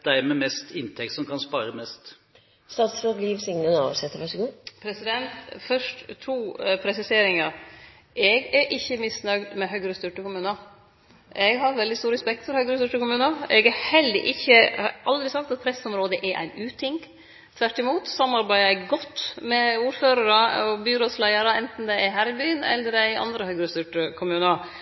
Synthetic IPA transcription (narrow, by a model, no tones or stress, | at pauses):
d̪̥æɪmɛmɛst̪ʰɪnt̪ʰɛkt̪sɔmkʰɑnspɑːɾəmɛst̪ | st̪ɑːt̪sloɡliːʋsɪŋnənɑ̰ːʋsɛt̪ːəɾʋæʂɡuːpʰɾɛsɪd̪ɛnt̪fœʂtt̪ʰuːpʰɾɛsɪseːɾɪŋɑɾ | ɛɡæɾʔɪçːəmɪsnœɡd̪mɛɦœʏɡɾəst̪ʏʈəkʊmʉːnə | ʔɛɡɦɑɾʋɛld̪ɪst̪uːɾɛspɛk̚t̪fɔɾhœʏɡɾəst̪ʉʈəkʊmʉːnəɛɡɛhɛld̪ə̰ʔɪçːəʔɑld̪ɾɪsɑkt̪ɑt̪̚pʰɾɛsɔmɾoːd̪əʔɛʔæ̰ɪnʉːt̪ʰɪŋ | t̪ʰʋæʈːɪmuːt̪sɑmːɑɾbæɪɡɔt̪ːmɛuːɾføːɾəɾəɔbyːɾoːslæɪəɾəɛnt̪n̩d̪ɛɪæɦæːɾɪbyːənɛ̰lːəɾæɪʔɑ̰nd̪ɾəhœɡɾəst̪ʏʈəkʰʊmʉːnəɾ